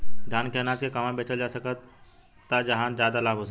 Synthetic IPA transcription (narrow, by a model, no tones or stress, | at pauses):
d̪ʱjaːnkeɦnaːt̪kʰekɐmãbeːt͡ʃəld͡ʒaːsəkət̪ː | əd͡ʒɐɦãzjaːd̪alaːbʱɦosə